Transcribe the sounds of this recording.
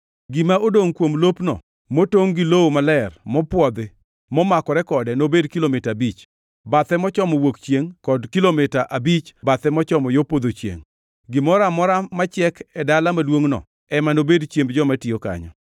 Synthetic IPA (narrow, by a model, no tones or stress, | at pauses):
ɡɪmaʔodoŋkwomlopnɔ̰ | motoŋɡɪlowomalɛrmɔpwɔd̪e | mɔmakɔɾɛkɔdɛnobedkilomɪtaabit͡ʃ | bat̪ɛmɔt͡ʃɔmɔwokt͡ʃjeŋkɔdkilomɪtaʔabit͡ʃbat̪ɛmɔt͡ʃɔmɔjopod̪ot͡ʃjḛŋ | ɡɪmɔɾamɔɾamat͡ʃɪɛkɛdalamalwoŋnɔ̰ | ɛmanobedt͡ʃjembd͡ʒɔmatɪjoka̰ɲɔ̰